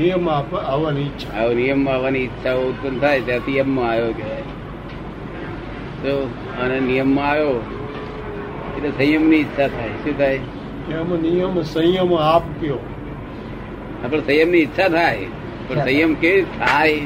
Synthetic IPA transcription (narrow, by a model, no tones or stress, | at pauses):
nijəmapaʋanitːʃʰaaonijəmːaʋaniɪt̪ːʃʰaoʊt̪̚pənt̪ʰajt̪jãt̪ʰijəmːãajoke | so | ənenijəmːãajo | etlesə̃jəmniɪt̪ːʃʰat̪ʰaːjʃũt̪ʰaj | amnijəmsə̃jəmapkjo | apəɳsə̃jəmniɪt̪ːʃʰat̪ʰae | pəɳsə̃jəmket̪ʰaj